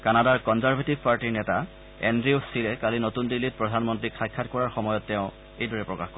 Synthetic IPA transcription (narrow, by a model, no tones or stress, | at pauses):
kanadaɹkɔnzaɹbʱetivpaɹtiɹnɛta | ɛ̰ndɹiosilɛkalinotundilːit̚pɹɔdʱanmɔntɹikxʰajkʰːatkɔɹaɹxɔmɔjɔtːɛʊ̃ | ejdɔɹɛpɹɔkaxkɔ